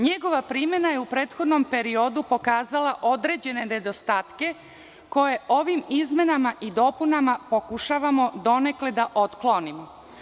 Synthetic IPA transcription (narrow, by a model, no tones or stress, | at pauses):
ɲeɡo̞ʋapɾime̞najeupɾe̞ːt̪xo̞d̪no̞mpe̞ɾiod̪upo̞kaːzalaʔo̞d̪ɾe̞d͡ʑe̞ne̞ne̞d̪o̞st̪aːt̪ke̞ | ko̞je̞ʔo̞ʋimizme̞namaʔid̪o̞punamapo̞kuʃaʋamo̞d̪o̞ne̞kled̪aʔot̪klonimo